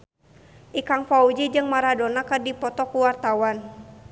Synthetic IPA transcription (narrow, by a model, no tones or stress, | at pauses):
ʔikaŋfaud͡ʒid͡ʒɨŋmaɾadɔnakɨrdipɔt̪ɔkuwart̪awan